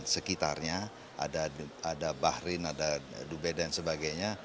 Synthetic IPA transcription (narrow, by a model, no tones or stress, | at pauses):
səkit̪a̰rɲa | ʔa̰daadabahɾɪnadadubɛdansəbaɡajɲa